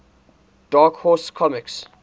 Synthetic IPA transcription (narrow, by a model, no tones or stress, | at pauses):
d̥aːkhɔskʰɔmɪks